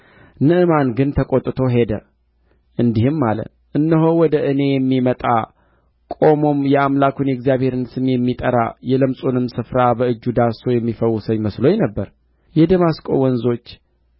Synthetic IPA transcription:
nɨʔɨmanɡɨnt̪ʰəkʼot̪ʼt̪ʰo̞ɦe̞d̪ə | ʔɨnd̪ihɨmːalə̰ | ʔɨnːəɦowɔd̪əʔɨne̞jɛmːimət̪ʼa̰ | kʼo̞mo̞mjɛamlakʰunɛɡzijaβhe̞ɾɨnsɨmjɛmːit̪ʼəɾa̰jɛləmsʼonɨmsɨfɾabəɨd͡ʒːud̪aso̞jɛmːifəwːʊsəɲməsloɲnəbːəɾ | jɛd̪əmaskʼo̞̰wɔnzo̞t͡ʃː

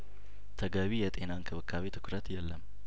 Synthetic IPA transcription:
t̪ʰəɡəβijɛt̪ʼe̞nankʰɨβɨkʰːaβet̪ʰɨ̥kʰʊɾət̪jɛlːəm

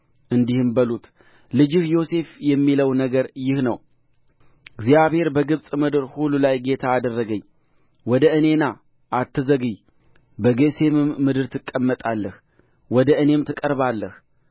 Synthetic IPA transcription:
ʔɨnd̪ihɨmbəlut̪ | lɨd͡ʒɪhjo̞se̞fjɛmːiləwnəɡəɾjɪhnəw | ɨɡzijaβhe̞ɾbəɡɨβsʼmɨd̪ɨɾhulːulajɡe̞t̪ʰaːd̪ərːəɡəɲː | wɔd̪əɨne̞na | ʔat̪ːɨzəɡɨɲ | bəɡese̞mɨmːɨd̪ɨɾt̪ʰɨkʼːəmːət̪ʼalːəh | wɔd̪əɨne̞mt̪ʰɨkʼəɾbalːəh

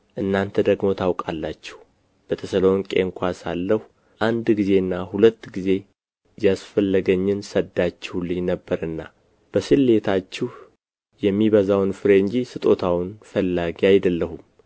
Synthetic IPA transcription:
ʔɨnːant̪ʰəd̪əɡmo̞t̪ʰawkʼalːat͡ʃːɛ̥h | b̥ət̪ʰəsəloŋkʼḛŋkʷasa̰lːəhu | ʔand̪ɡize̞ɨnːaɦulət̪ːɡize̞ | jasfəlːəɡəɲːɪnsəd̪ːat͡ʃːɛhulɨjnəbːəɾɨnːa | b̥əsɨlːe̞t̪ʰat͡ʃːɪh | jɛmːiβəzawnfɨɾeɨɲd͡ʒisɨt̪ʼo̞t̪ʰawnfəlːaɡiajd̪əlːəɦum

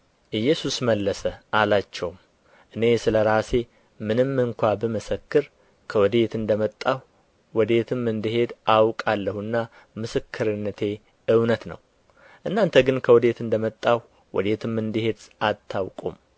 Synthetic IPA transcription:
ʔɨjːɛsusməlːəsəʔalat͡ʃːɛwm | ʔɨne̞sɨləɾase̞ | mɨnɨmːɨŋkʷabəməsəkːɨɾ | kʰəwɔd̪e̞t̪ɨnd̪əmət̪ʼːah | wɔd̪et̪ʰɨmɨnd̪ɨɦe̞d̪awkʼalːəhuɨnːa | mɨsɨkʰːɨɾɨnːət̪ʰe̞ | ɨwnət̪nə̰w | ʔɨnːant̪ʰəɡɨnkʰəwɔd̪et̪ɨnd̪əmət̪ʼːah | wɔ̰d̪et̪ʰɨmɨnd̪ɨhe̞d̪at̪ʰːawkʼum

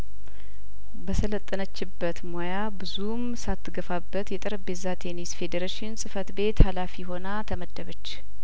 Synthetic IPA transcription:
bəsʰələt̪ʼːənət͡ʃːɪbːət̪mojabɨzum | sat̪ʰːɨɡəfabːət̪jɛt̪ʼɨɾəbezat̪ʰe̞nisfe̞d̪əɾaʃɪnsʼɨfət̪be̞t̪halafiɦo̞nat̪ʰəməd̪ːəβət͡ʃː

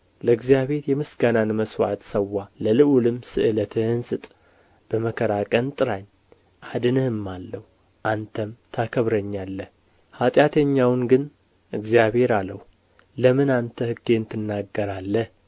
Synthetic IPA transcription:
ləɨɡzijaβhe̞ɾjɛmɨsɡananməswa̰t̪səwːaləlɨʔulɨmsɨʔɨlət̪ʰɨhɨnsɨt̪ʼ | b̥əməkʰəɾakʼənt̪ʼɨɾaɲ | ʔad̪ɨnɨhɨmːalːəhu | ʔant̪ʰəmt̪ʰakʰəβɾəɲːalːəh | hat̪ʼjat̪ʰəɲːawnɡɨn | ʔɨɡzijaβe̞ɾaləhu | ləmɨnant̪ʰəhɨɡe̞nt̪ʰɨnːaɡːəɾalːəh

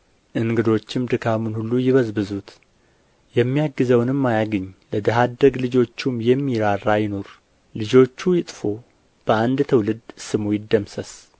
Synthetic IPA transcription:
ʔɨŋɡɨd̪o̞t͡ʃːɪmd̪ɨkʰamunhulːujɪβəzbɨzut̪ | jɛmːijaɡːɨzəwnɨmːajaɡɨɲːləd̪əɦad̪əɡlɨd͡ʒo̞t͡ʃːumjɛmːiɾarːajɪno̞ɾ | lɨd͡ʒo̞t͡ʃːujɪt̪ʼfo̞ | b̥əand̪t̪ʰəwlɨd̪sɨmujɪd̪ːəmsəs

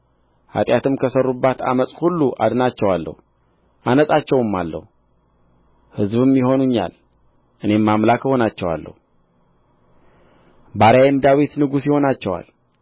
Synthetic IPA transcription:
ha̰t̪ʼjat̪ʰɨmkʰəsərːubːat̪a̰məsʼhulːuʔa̰d̪nat͡ʃːɛwalːə̰hu | ʔanəsʼat͡ʃːɛwɨmːalːə̰hu | hɨzβɨmjɪɦo̞nuɲːa̰l | ʔɨne̞mːamlakʰəho̞nat͡ʃːɛwa̰lːə̰hu | baɾaajemd̪awit̪nɨɡusjɪho̞nat͡ʃːɛwa̰l

